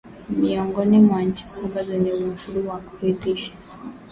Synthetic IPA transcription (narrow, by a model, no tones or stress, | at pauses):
miɔŋɡɔnimwaɲ̩t͡ʃi̥suɓazɛɲɛmuhuluwaku̥hitiʃḁ